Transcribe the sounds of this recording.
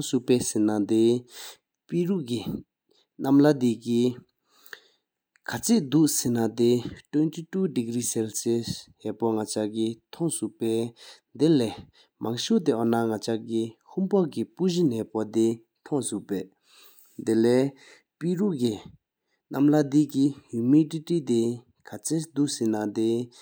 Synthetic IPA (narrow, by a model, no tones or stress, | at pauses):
ŋsupɛːsenad̪e | piɹuʔki | namlad̪eki | kʰat͡sʰeʔd̪uʔsenad̪etwøntitudiɡɹiːsɛlsesɦɛpɔŋat͡ɕakit̪ʰɔŋsuʔpɛː | d̪elɛː | maŋɕut̪eʔɔnaŋat͡ɕaʔkihʰumpɔkipuʑinɛːpɔd̪e | t̪ʰɔŋsuʔpɛː | d̪elɛː | piɹuʔki | namlad̪ikijumiʈ͡ʂitit̪e | kʰat͡sʰed̪uʔsenat̪e